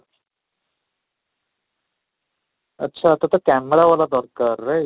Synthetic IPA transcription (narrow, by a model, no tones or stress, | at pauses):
ə̰tːɕʰat̪ət̪əkæməɽaʋalad̪ɔɾkəɾːe